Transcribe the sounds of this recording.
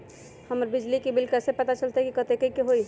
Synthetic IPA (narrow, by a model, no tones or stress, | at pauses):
həməɾbɪd͡ʒlikibɪlkɛsepət̪at͡ʃəlt̪aɦɛkikət̪ekəikeɦoi